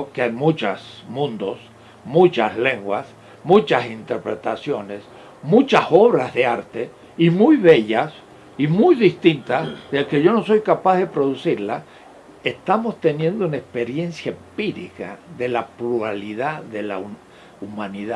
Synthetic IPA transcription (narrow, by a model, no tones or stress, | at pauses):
okeajmut͡ʃasmũnd̪o̞s | mut͡ʃasle̞ŋɡwas | mũt͡ʃasint̪e̞ɾpɾe̞t̪asjo̞ne̞s | mut͡ʃaso̞βɾazðe̞aɾt̪e̞ | imujβe̞ʝas | imujðist̪int̪asðelke̞ʝo̞no̞so̞jkapaððe̞pɾo̞ðusiɾla | est̪amo̞st̪e̞nje̞nd̪ounaespe̞ɾje̞nsjaempiɾika̰ðe̞lapluɾaliðaðe̞la̰ | umãniða